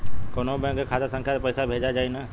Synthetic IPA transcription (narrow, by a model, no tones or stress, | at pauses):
konobɛ̃kekʰaːt̪asə̃ŋkʰjat̪pɐɪsabʱeːd͡ʒad͡ʒaːina